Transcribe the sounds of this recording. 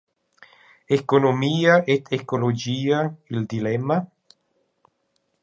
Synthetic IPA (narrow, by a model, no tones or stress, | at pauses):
ekonomiːaʔet̪ʰekolod͡ʒiːaild̪ilɛmːa